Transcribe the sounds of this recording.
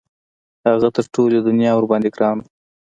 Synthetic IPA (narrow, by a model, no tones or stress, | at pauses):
haɣat̪əɾʈolod̪ʊnjɑʊɾbɑnd̪eɡɾɑnu